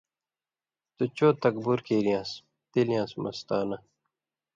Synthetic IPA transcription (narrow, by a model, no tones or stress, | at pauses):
t̪ut͡ɕoːt̪ɐk̚buɾkeːɾijãːs | t̪elijãːsmɐst̪aːnɐ